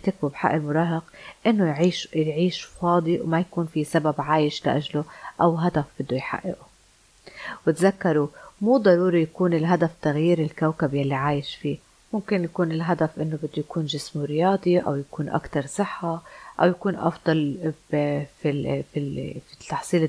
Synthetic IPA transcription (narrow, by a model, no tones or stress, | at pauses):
t̪ak̚bubħa̰ʔɪlmʊɾˤɑːɦɪqʔɪnːojʕiːʃjʕiːʃfɑːd̪ˤiwmajakuːnfisababʕaːjɪʃla̰ʔaʒloʔawɦad̪afb̥ɪd̪ːojħa̰ʔːɪ̰ʔu | wɪt̪zakːɑɾˤumuːd̪ˤɑɾuːɾijakuːnɪlɦad̪aft̪aɣjiːɾɪlkawkabjalːiʕaːjɪʃfiː | mʊmkɪnjakuːnɪlɦad̪afʔɪnːobɪd̪ːujakuːnʒɪsmuɾɪjɑːd̪ˤiʔa̰wjakuːnʔa̰kt̪ɑɾˤsˤɨħːaʔa̰wjakuːnʔɑ̰fd̪ˤɑl | fififit̪ːɑħsˤiːl